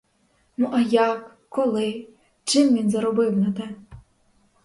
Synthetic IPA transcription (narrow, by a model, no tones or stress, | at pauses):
nuʔɐjɑkːɔlˠɪ | t͡ʃɪmʋʲinzɐɾɔbɪwnɐt̪ɛ